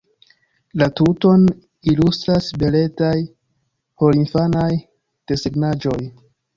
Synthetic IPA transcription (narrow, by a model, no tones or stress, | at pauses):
latuto̞n | ilustɾasbe̞le̞taj | po̞linfanaj | d̥e̞seɡnad͡ʒo̞j